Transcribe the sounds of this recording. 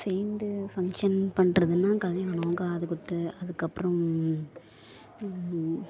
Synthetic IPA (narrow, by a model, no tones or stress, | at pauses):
sɛːnd̪ɯfɐŋkʂɐnpɐɳrɐðɯnːaːkɐlɛaːɳɐŋɡaɐðɯkːʊt̪ːɯɐðɯkːɐpːɯɾɐ̃m